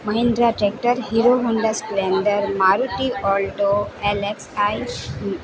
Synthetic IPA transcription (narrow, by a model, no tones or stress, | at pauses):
mɐɦɪ̃nd̪ɾaʈɾek̚ʈəɾɦiɾoɦuɳɖasplenɖəɾmaɾuʈiʔɔlʈoɛleksaj